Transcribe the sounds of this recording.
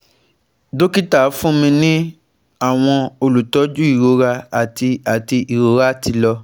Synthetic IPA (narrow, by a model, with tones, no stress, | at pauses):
do˦ki˦ta˦˨˦fũ˦mĩ˧nĩ˦ | a˦˨w̃ɔ̃˧o˧lu˨tɔ˨˦d͡ʒu˦i˦˨ɾo˨˧ɾa˧a˨ti˧a˨ti˧i˨ɾo˨˦ɾa˦ti˧lɔ˧